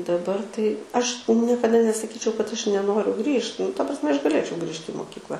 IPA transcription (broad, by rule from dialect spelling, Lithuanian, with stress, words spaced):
dɐˈbɐr tɐɪ ˈɐʃ nʲiɛkɐˈdɐ nʲɛsɐˈkʲiːt͡ʃʲɛʊ kɐt ˈɐʃ nʲɛˈnoːrʲʊ ˈɡrʲiːʃt nʊ tɐ prɐsʲˈmʲɛ ɐʃ ɡɐˈlʲeːt͡ʃʲɛʊ ˈɡrʲiːʃʲtʲɪ ɪ moːkʲiːkˈlˠɐ